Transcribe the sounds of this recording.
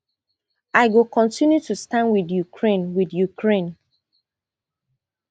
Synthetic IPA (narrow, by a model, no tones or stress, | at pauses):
aɪɡokɔ̃ntĩnjutustãnwiðjukʰɹẽnwiðjukʰɹẽn